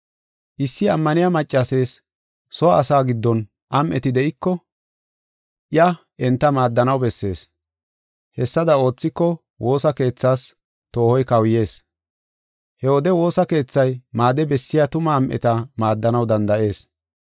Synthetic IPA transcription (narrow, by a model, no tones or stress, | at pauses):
ʔɪsːɪɐmːɐnɪjamɐt͡ʃʼːase̞ːs | sɔːsaːɡɪd̪ːɔn | ʔɐmʔɛ̰t̪ɪd̪ɛʔɪkːɔ | ʔɪjɐ | ʔɛnt̪ːɐmaːd̪ːɐnɐwbɛsːe̞ːs | hɛsːɐd̪ɐo̞ːt͡sːɪkːɔ | wo̞ːsɐke̞ːt͡sːaːs | t̪o̞ːhɔjkɐwje̞ːs | hɛɔd̪ɛwo̞ːsɐke̞ːt͡sːɐjmaːd̪ɛbɛsːɪjat̪ʊmɐːmʔɛ̰t̪ɐmaːd̪ːɐnɐwd̪ɐnd̪ɐʔe̞ːs